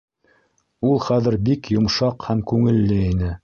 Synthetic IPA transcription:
ulˠχæðɘ̆ɾbikjŏmʃɑqhæmkʉŋɘ̆lːɘinɘ

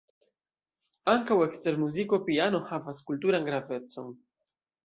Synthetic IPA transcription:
aŋkawe̞kste̞ɾmuziko̞piano̞havaskultuɾanɡɾave̞t͡so̞̰n

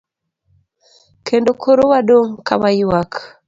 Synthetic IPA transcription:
kendokʰoɾowaɗoŋka̰βaiwakʰ

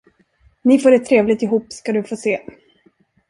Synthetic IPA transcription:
nɪfoːɖɛt̪ʰːɾeːvlɪɡt̪ɪɦuːpskad̪ɵfoːseː

